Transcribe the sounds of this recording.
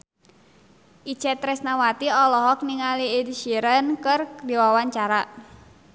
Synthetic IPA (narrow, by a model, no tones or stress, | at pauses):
ʔit͡ʃɛt̪ɾɛsnawat̪iɔlɔɦɔk̚niŋaliediʃiɾənkɨrdiwawaɲt͡ʃaɾa